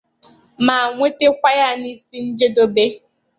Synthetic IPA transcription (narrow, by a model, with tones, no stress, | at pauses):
ma˨a˨ŋʷe˦te˦kʷa˦ja˦ni˦si˦n̩˦d͡ʒe˦do˦be˦